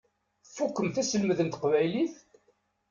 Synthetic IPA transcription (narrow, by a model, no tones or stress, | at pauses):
θfukːəmθæsəlməðənt̪qvæjliθ